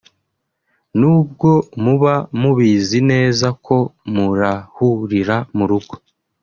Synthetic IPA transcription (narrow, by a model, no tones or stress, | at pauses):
nuːb̚ɡo̞muβamuβiːzine̞ːzakʰo̞muɾahuɾiɾamuɾuɡo